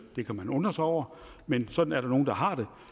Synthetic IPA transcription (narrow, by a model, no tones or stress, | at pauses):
d̥e̝kʰæmænɔ̽n̥ʁɐsɑɒʊ̰ɐ | mensɒ̽d̥n̩æɐɾ̥ɑ̈no̝ːn̩d̥ɑ̈ɦɑ̈d̥e̝